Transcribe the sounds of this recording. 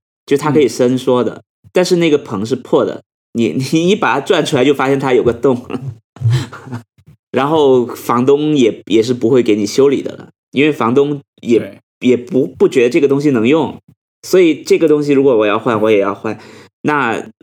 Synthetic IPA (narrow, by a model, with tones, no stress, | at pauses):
t͡ɕt͡ɕjo˥˧ʊʂɻt̪ʰa˥kʰɤ˧˥i˨˩ʂə˥nʂwɔ˥d̪ə̰˩ | t̪a˥˧nʂɻ̩˥˧ne˥˩ɡə˩pʰɤ˧˥ŋʂ̬ɻ̩˥˧pʰwɔ˥˩d̪ə̰˩ | ni˧˥ni˨˧˥ni˧˥pa˨˩t̪ʰa˥ʈ͡ʂwa˥˩nʈ͡ʂʰu˥la˧˥ɪt͡ɕo˥˧ʊfa˥ɕjɛ˥˧nt̪ʰa˥jo˨˩ʊɡə˧˦t̪ʊ˥˩ŋ | ɻa˧˥nxo˥˩ʊfɑ˧˥ŋt̪ʊ˥ŋjɛ˨˩jɛ˨˩ʂ̬ɻ̩˥˩pu˧˥xwe˥˩ɪke˧˥ɪni˨˩ɕjo˥ʊlḭ˨˩d̪ə̰˦˩ | i˥nwe˥˩ɪfɑ˧˥ŋt̪ʊ˥ŋ | jɛ˨˩ | jɛ˨˩pu˧˥pu˥˩t͡ɕɥɛ˧˥d̪ə˧ʈ͡ʂɤ˥˩ɡə˩t̪̬ʊ˥ŋɕ̬i˨nɤ˧˥ŋjʊ˥˩ŋ | swɔ˧˥i˨˩ʈ͡ʂɤ˥˩ɡə˩t̪ʊ˥ŋɕ̬i˨ɻu˧˥kwɔ˨˥wɔ˨˩˦jɑ˥˧ʊxwa˥˩nwɔ˧˥jɛ˨˩jɑ̰˥˧ʊxwa˥˩n | na˥˩